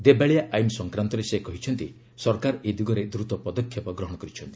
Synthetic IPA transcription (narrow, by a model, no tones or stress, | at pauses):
d̪ebaɭijaʔajmsɔŋkɾant̪ɔɾesekɔɦit͡ʃʰɔnt̪i | sɔɾkaɾɔed̪iɡɔɾed̪ɾut̪ɔpɔd̪ɔkʰjɔpɔɡɾɔɦɔɽ̃ɔkɔɾit͡ʃʰɔnt̪i̥